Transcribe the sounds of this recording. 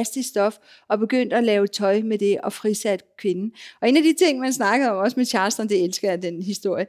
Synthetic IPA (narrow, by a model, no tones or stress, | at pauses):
sd̥isd̥ɒ̽f | ɒ̽b̥e̝ɡ̥øn̰d̥ælɛːʊt͡sʰɒ̽ɪmed̥e̝ʔɒ̽fʁisæd̥kʰʋe̝nn̩ʔɒ̽e̝næd̥it͡sʰe̝ŋ̰mænsnɑ̈ɡ̥əð̩ˠɒ̽mɒ̽səmet͡ɕʰɑ̈ːsd̥ɐnd̥e̝elsɡ̥ɐd̥enɦisd̥o̝ɐ̰jə